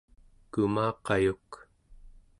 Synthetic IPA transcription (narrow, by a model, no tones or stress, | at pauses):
kumɑːqɑjuk